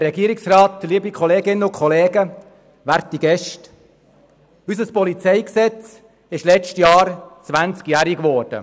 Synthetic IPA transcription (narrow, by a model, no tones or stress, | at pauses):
ɾɛɡiːəɾɪksrɑːt̪liːbikʰɔleːɡɪnːəʊkʰχɔleːɡə | ʋæɾt̪iɡɛʃt | ysəspɔlit͡sɛɪksɛt͡s | ɪʃlɛt͡ʃtjɑːɾt͡svænt͡skjæːɾikvɔːɾd̥ə̰